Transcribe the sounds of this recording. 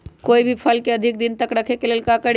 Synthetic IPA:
koibʱipʰəlkeəd̪ʱik̚d̪int̪əkɾəkʰekelelkakəɽ

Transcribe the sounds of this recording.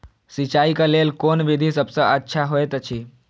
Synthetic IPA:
sit͡ʃaːikaleːlkoːnʋɪd̪ʱisɐbseətːʃʰaɦoet̪ət͡ʃʰiː

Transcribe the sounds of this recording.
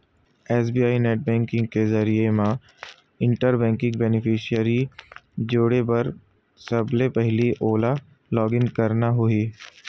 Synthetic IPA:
ɛːs̬biːaːineːʈ̚bɛ̃ːŋkɪ̃ŋɡkezɐɾiemã | ɪ̃ɳʈəɾbɛ̃ːŋkɪ̃ŋɡbɛnɪpʰɪʃiəɾid͡ʒoːɽepɐɾ | sɐblepɛɦliʔoːla | lɔːɡɪnkɐɾnaɦʊiː

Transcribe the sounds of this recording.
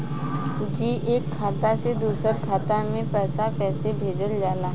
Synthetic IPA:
d͡ʒiːʔeːkʰːaːt̪ased̪uːsəɾkʰaːt̪amẽpɛːsakɛːsebʱeːd͡ʒəld͡ʒaːlaː

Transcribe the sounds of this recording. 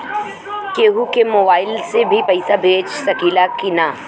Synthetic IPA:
keːɦukemoːbaːɪlsebʱipɐɪsabʱeːd͡ʒsɐkiːlakɪnaː

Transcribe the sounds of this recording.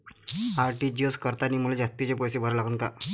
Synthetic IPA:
aɾʈiːd͡ʑjoskəɾt̪aniːmuled͡ʑat̪ːit͡ɕepɔjsebʱəɾlaɡunka

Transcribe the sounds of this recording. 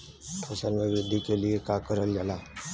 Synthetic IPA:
pʰəsəlʋɪʋɾɪd̪ʱːikeliekaːkəɾəld͡ʒalaː

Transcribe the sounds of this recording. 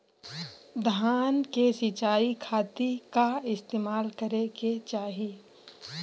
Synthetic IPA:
d̪ʱaːnkesit͡ʃaːikʰaːt̪ikaɪst̪eːmaːlkəɾeket͡ʃaːɦe

